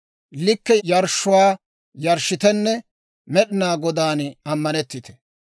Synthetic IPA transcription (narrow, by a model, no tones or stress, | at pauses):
lɪkːɛjɐɾʃːʊwaː | jɐɾʃːɪt̪ɛnːɛ | mɛɗɪnaːɡɔd̪aːnɐmːɐnɛt̪ːɪt̪ɛ̥